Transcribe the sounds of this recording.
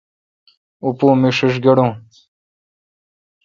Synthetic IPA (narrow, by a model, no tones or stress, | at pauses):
upũːmiʂiʂ̬ɡeɽũː